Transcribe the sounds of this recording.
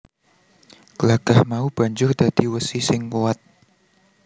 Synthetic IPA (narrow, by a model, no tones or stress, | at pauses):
kəlaɡ̥ahmaub̥aɲd͡ʒʊrd̥ad̥iwəsisɪŋkuwat̪̚